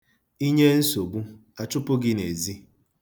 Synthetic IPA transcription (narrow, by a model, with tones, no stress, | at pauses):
i˦ɲe˦n̩˦so˨ɡ͡bu˦a˨t͡ʃʊ˦pʊ˦ɡɪ˦ne˨zi˦